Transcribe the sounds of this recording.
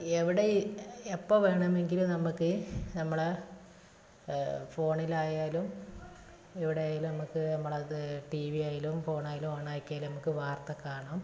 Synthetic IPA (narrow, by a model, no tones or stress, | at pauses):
eʋiɽeepːoʋe̞ːɳɐme̞ŋɡilumnɐmukːɨnɐmːɐɭe | fo̞ːɳilaːjaːlum | eʋiɽejaːjilunɐmukːɨnɐmːɐɭeʈiʋiaːjilumfo̞ːɳaːjilumoːɳaːjkʲːaːlunɐmukːɨʋaːrt̪ɐkːaːɳɐm